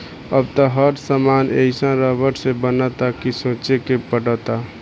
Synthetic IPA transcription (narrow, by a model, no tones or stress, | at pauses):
əbt̪əɦəɾsəmaːneɪsãɾəbəʈsebənət̪akisõːt͡ʃekepəɽət̪a